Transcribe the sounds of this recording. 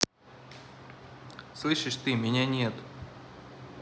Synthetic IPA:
slˠɨʂɨʂt̪ɨmʲɪnʲanʲet̪

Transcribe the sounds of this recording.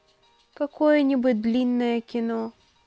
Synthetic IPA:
kɐkojənʲibʊt̚ʲd̪lʲinːəjəkʲɪno

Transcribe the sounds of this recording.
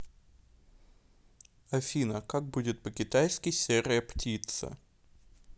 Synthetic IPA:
ɐfʲinəkak̚budʲɪt̪̚pəkʲɪt̪ajskʲɪjsʲeɾəjəptʲit̪sə̰

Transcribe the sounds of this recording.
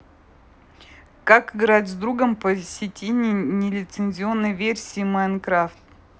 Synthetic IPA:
kakɨɡɾatʲzd̪ɾuɡəmpəsʲɪtʲenʲɪnʲɪlʲɪt̪sɨnʲzʲɪo̞nːəjvʲersʲiːmankɾaft̪

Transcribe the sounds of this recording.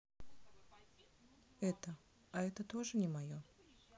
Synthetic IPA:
ɛt̪ə | ɐɛt̪ət̪oʐɨnʲɪmɐjo

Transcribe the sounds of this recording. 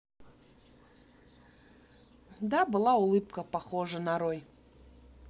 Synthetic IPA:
d̪abɨlˠaʊlˠɨpkəpɐxoʐənɐɾoj

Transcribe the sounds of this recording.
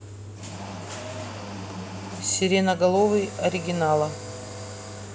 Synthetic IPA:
sʲɪɾʲenəɡɐlˠovɨjɐɾʲɪɡʲɪnalˠə

